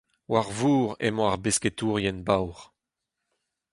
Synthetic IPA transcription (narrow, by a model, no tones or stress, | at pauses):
waʁvuːʁɛ̰mɔ̃aʁbesket̪uːʁjɛnbawʁ